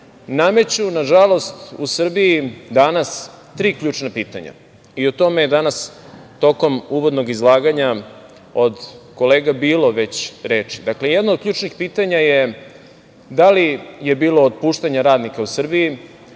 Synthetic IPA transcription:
name̞t͡ɕunaʒalo̞st̪usr̩biid̪anas | t̪ɾiːkʎuːt͡ʃnapiːt̪a̰ɲa̰ | iot̪o̞me̞jed̪anas | t̪o̞ko̞muʋo̞d̪no̞ɡizlˠaːɡaɲa | od̪ko̞leːɡabiːlo̞ʋe̞t͡ɕɾeːt͡ʂi̥d̪akle̞jɛd̪nod̪̚kʎuːʈ͡ʂnixpiːt̪aɲaje | d̪alije̞biːlˠo̞ːd̪puːʃt̪aɲaɾaːd̪nikausr̩biji

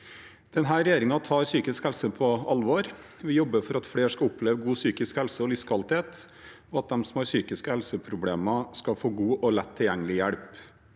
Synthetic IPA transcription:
d̪̥ɛnɦæːɾɛjeːɾɪŋɑt̪ʰɑːɾsyːkɪskhɛlsəpʰɔɑlʋɔɾ | ʋɪjɔbːəfɔɾɑt̪fɽeːʂkɑʊpʰːleːʋəɡuːsyːkɪskhɛlsəɔlɪskʰɑlt̪heːt̪ | ɔɑt̪̚d̪ɛmsɔmhɑɾsyːkɪskəhɛlsəpʰɾʊbleːmɑskɑfoːɡuːʔɔlɛt̪ʰːɪljɛŋːəlɪjæɽp

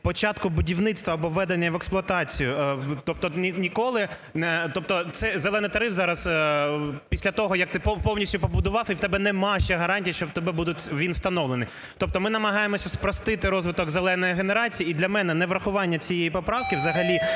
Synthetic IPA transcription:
pɔt͡ʃɑt̪kʊbʊdʲiwnɪt̪st̪ʋɐɐbɔʋːɛd̪enʲːɐʋɛksplˠʊɐt̪ɑt͡sʲijʊt̪ɔp̚t̪ɔinʲikɔlˠɪ | nɛt̪ɔp̚t̪ɔt̪sɛzelˠɛnɪjt̪ɐɾɪfzɑɾɐs | pʲisʲlʲɐt̪ɔɦɔjɐk̚t̪ɪppɔwnʲisʲtʲʊpɔbʊd̪ʊʋɑwiwt̪ɛbɛnɛmɑʃʲɛɦɐɾɑnʲtʲijɐʃt͡ʃɔwt̪ɔbɛbud̪ʊtʲʋʲinst̪ɐnɔʋlˠenɪ | t̪ɔp̚t̪ɔmɪnɐmɐɦɑjemɔsʲɐspɾɔst̪ɪt̪ɪɾɔzʋɪt̪ɔɡzelˠɛnɔjiɦeneɾɑt͡sʲijiid̪lʲɐmɛnɛnɛʋɾɐxʊʋɑnʲːɐt͡sʲijejipɔpɾɑwkɪʋzɐɦɐlʲi

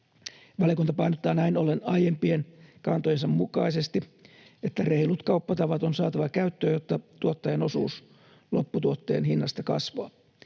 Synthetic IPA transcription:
ʋɑljɑkunt̪ɑpɑinot̪ːɑːnæinolenɑjempienkɑnt̪ojensɑmmukɑisest̪i | et̪ːæreilut̪kɑupːɑt̪ɑʋɑt̪onsɑːt̪ɑʋɑkæyt̪ːøːjot̪ːɑt̪uot̪ːɑjeno̞sṵːs | lo̞pːut̪uot̪ːe̞̰ːnhinːɑst̪ɑkɑ̰sʋoɑ

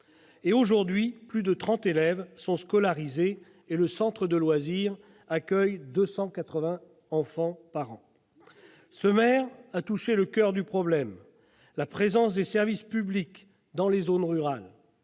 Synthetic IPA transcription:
eoʒuʁd̪ɥiplyd̪ət̪χɑ̃t̪elɛvsɔ̃skɔlaʁizeː | ləsɑ̃t̪χəd̪əlwaziʁ | akʲœjd̪əsɑ̃kat̪χəvɛ̃ | ɑ̃fɑ̃paʁɑ̰̃ | səmɛʁat̪uʃeləkʲœʁd̪ypχɔblɛm | lapχezɑ̃s̬d̪esɛʁvispyblik | d̪ɑ̃lezonʁyʁal

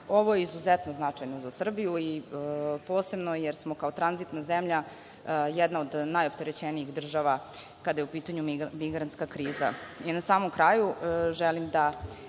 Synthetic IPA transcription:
o̞ʋojeizuzet̪no̞znat͡ʂajnozasr̩bijui | poːse̞bnojeɾsmo̞kaot̪ɾanzit̪nazemʎa | jɛd̪naod̪najo̞pt̪e̞ɾet͡ɕeniixd̪r̩ʒaʋa | kad̪ajeupiːt̪aɲumiɡɾant̪skakɾiːza̰inasaːmomkɾaːjuʒɛlimd̪a

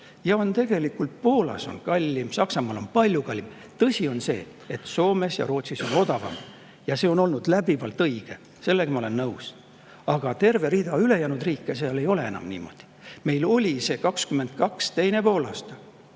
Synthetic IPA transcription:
jɑo̞nt̪e̞ɡ̥e̞likult̪̚po̞ːlɑ̰so̞̰nkɑlʲːimsɑksɑmɑːlo̞̰npɑlʲjukɑlʲːim | t̪ɤsʲio̞nse̞̰ː | e̞t̪so̞ːme̞sjɑ̰ɾo̞ːt̪ʲsiso̞no̞d̪̥ɑvɑ̰m | jɑse̞ːo̞no̞lnud̪læb̥ivɑlt̪ˑɤjɡ̥e̞ | se̞lːeɡ̥ɑmɑole̞nːɤws | ɑɡ̥ɑt̪e̞rve̞ɾiːd̪ɑyle̞jæːnud̪riːkːˑeseɑle̞jo̞le̞e̞nɑ̰mnḭːmo̞̰d̪̥i̥me̞jlo̞lʲise̞ːkɑkskyme̞nd̪̥̚kɑkst̪e̞jne̞po̞ːlɑ̰ːst̪ɑ̥

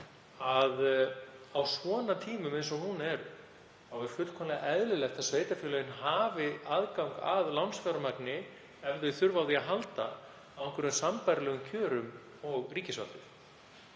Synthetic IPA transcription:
að | awsvɔːnat̪ʰiːmʏmejns̬ɔhunɛɾ | θawɛɾ̥fʏt̪kʰɔmlaʔɛðlɪlɛxt̪asveːjt̪afjʏːlœjɪnɦaːvɪaðkawŋka̰ðlawnsfaɾamaknɪ | ɛvðʏθʏɾvawðiaɦalt̪a | awɛŋkvʏɾɛ̥sampajɾlɛːɣʏmcʰœːɾʏm | ɔɣriːcɪsva̰lt̪ʏɾ̥

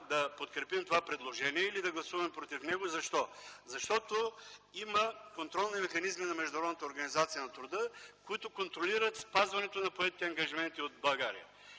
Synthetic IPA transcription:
d̪ɐpot̪kɾɛpimt̪ovapɾɛd̪lˠoʒɛniɛilid̪ɐɡlˠɐsuvɐmɛpɾot̪ifnɛɡozɐʃt̪ɔzɐʃt̪ɔt̪oimɐkont̪ɾɔlˠnimɛxɐnizminɐmɛʒd̪ʊnɐɾɔd̪nət̪əoɾɡɐnizat̪sijənɐt̪ɾʊd̪əkoit̪ʊkont̪ɾoliɾət̪spazvɐnɛt̪onɐpoɛt̪i̥t̪ɛɐŋɡɐʒimɛnt̪iot̪̚bˠɐɡaɾḭə

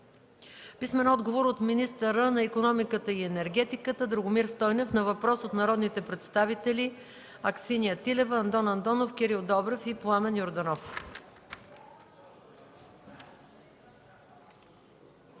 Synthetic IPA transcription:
pismɛnɔd̪ɡovoɾot̪minist̪əɾənɐikonɔmikət̪əiɛnɛɾɡɛt̪ikət̪əd̪ɾoɡʊmiɾst̪ɔjnɛfnɐvɐpɾɔsot̪nɐɾɔd̪nit̪ɛpɾɛt̪st̪avit̪ɛli | ɐksinijət̪ilɛvəːnd̪ɔnɐnd̪ɔnofkʲɛɾilˠd̪ɔbɾɛfiplˠamɛnjoɾd̪ɐnɔf

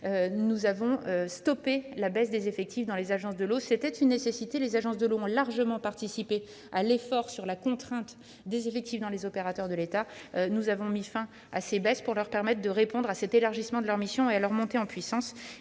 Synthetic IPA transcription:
ønuzavɔ̃øst̪ɔpelabɛsd̪ezefɛk̚t̪ifd̪ɑ̃lezaʒɑ̃sd̪əlosɛt̪ɛt̪ynːesesit̪elezaʒɑ̃sd̪əloɔ̃laʁʒəmɑ̃paʁt̪isipe | alefɔʁsyʁlakɔ̃t̪χɛ̃t̪ | d̪ezefɛk̚t̪ifd̪ɑ̃lezɔpeʁat̪œʁd̪əlet̪anuzavɔ̃mifɛ̃ | a̰sebɛspuʁlœʁpɛʁmɛt̪̚χd̪əʁepɔ̃d̪ʁasɛt̪elaʁʒismɑ̃d̪əlœʁmisjɔ̃ealœʁmɔ̃t̪eɑ̃pɥisɑ̃s

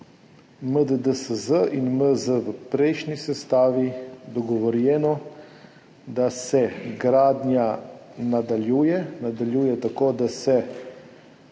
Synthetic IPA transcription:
məd̪əd̪əsəzəinməzəʋəpɾɛjʃnisɛst̪aːʋid̪ɔɡɔʋɔɾjɛːnɔ | d̪asɛɡɾaːd̪nʲjanad̪aljuːjɛnad̪aljuːjɛt̪akoːd̪asɛ

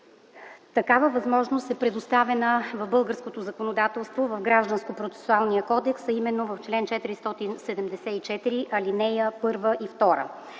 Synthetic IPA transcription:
t̪ɐkavəvɐzmɔʒnost̪ɛpɾɛd̪ost̪avɛnəvɐvbɤlˠɡəɾskot̪ozɐkonod̪at̪ɛlˠst̪vovɐvɡɾaʒd̪ənskopɾot̪sɛ̥sualˠnijəkɔd̪ɛksɐimɛnːovɐft͡ʃlɛnt͡ʃɛt̪iɾist̪ɔt̪insɛd̪ɛmd̪ɛsɛit͡ʃɛt̪iɾiʔɐlinɛjəpɤɾvəʔift̪ɔɾə̰

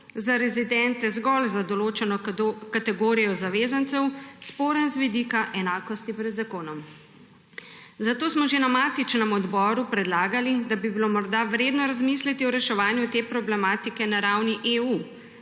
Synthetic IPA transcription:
zaɾɛzid̪ɛnt̪ɛzɡɔlzad̪ɔloːt͡ʃɛnɔkat̪ɛɡoːɾijɔzaʋeːzant̪sɛwspoːɾɛnzʋid̪ikaʔɛnaːkɔst̪ipɾɛd̪zakoːnɔm | zat̪oːsmɔʒenamaːt̪it͡ʃnɛmɔd̪bɔːɾupɾɛd̪laːɡalid̪abibilomɔɾd̪aʋɾeːd̪nɔɾazmislit̪iɔɾɛʃɛʋaːnjut̪eːpɾɔblɛmaːt̪ikɛnaɾawniʔeu

